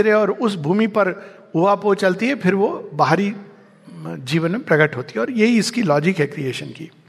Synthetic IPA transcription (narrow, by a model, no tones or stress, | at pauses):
ɾeɔːɾʊsbʱuːmipɐɾ | ʊapoːt͡ʃɐlt̪iɦɛpʰɪɾʋobaɦɾi | d͡ʒiːʋənmẽpɾɐɡəʈɦoːt̪iɦɛɔːɾjɐɦiɪskilɔːd͡ʒɪkɦɛkɾieːʃənkḭː